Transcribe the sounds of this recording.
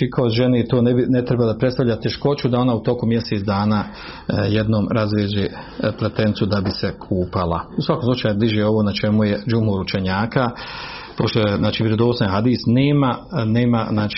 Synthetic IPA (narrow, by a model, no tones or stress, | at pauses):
t͡ʃikʰaoʒenet̪oːnebinet̪ɾebalad̪apɾet̪st̪avʎat̪ʲeʃko̞t͡ɕud̪ao̞naut̪o̞kumjeset̪d̪aːnaː | jed̪no̞ːmɾazʋjeːd͡ʑeː | plˠet̪e̞nsud̪abisekʰuːpalˠa̰usʋakomslut͡ʃaːjubliʒeo̞ʋonat͡ʃe̞mujed͡ʒumoɾut͡ʃe̞ɲaːka | po̞ʃt̪ojeznaːt͡ʃiːʋʲjeɾod̪oːsaɦad̪iːsneːmaneːmaznaːt͡ʃː